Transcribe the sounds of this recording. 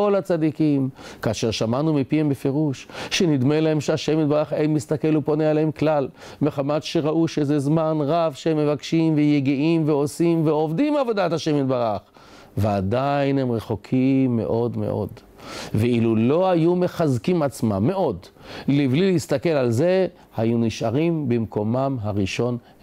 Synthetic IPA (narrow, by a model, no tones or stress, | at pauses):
o̞lat͡sad̪ikimkaːʃeʁʃamanumipiembefe̞ʁuʃʃenid̪melaemʃeaʃemid̪baʁaχejmist̪ake̞lupo̞nealeemklal | meχamat̪ʃe̞ʁaʔuʃezezmanʁavʃeemːevakʃimvejeɡiʔimveo̞simveo̞vdimavo̞dat̪haʃemid̪baʁaχ | veadainhemʁeχokʰimːe̞̰ʔo̞dme̞̰ʔo̞̰d | veilulo̞hajume̞χazkimat͡sma̰mːe̞o̞dliblileist̪akelalze̞ | hajuniʃaʁimbemko̞mamɦaʁiʃo̞n